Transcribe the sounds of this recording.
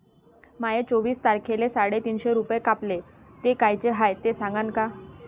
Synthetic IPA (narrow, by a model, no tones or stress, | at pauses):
majet͡soʋiːst̪aɾkʰelesaɽet̪iːnɕeɾupjekaple | t̪ekajt͡ɕeɦajt̪esãŋɡanka